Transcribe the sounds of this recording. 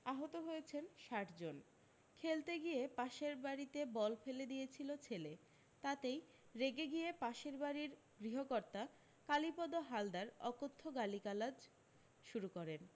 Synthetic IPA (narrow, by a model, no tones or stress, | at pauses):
aɦot̪oɦojet͡ɕʰenʃaʈd͡ʑon | kʰelt̪eɡijepaʃeɾbaɾit̪ebɔlfeled̪ijet͡ɕʰilot͡ɕʰele | t̪at̪ej | ɾeɡeɡijepaʃeɾbaɾiɾ | ɡɾiɦokoɾt̪a | kalipɔd̪oɦald̪aɾɔkot̪ʰːoɡalikalad͡ʑ | ʃuɾukɔɾen